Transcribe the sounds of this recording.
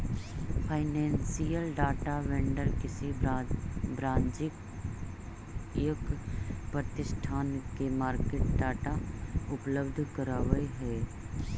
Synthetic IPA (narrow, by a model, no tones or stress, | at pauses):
pʰaːɪnẽːnsijəlɖaːʈaʋɛ̃ːɳɖəɾkɪsi | bɾãːɲd͡ʒɪk | jəkpɾət̪ɪʃʈʰaːnkemaːɾkeːʈɖaːʈaʊpləbd̪ʱkəɾaːʋəeɦɛː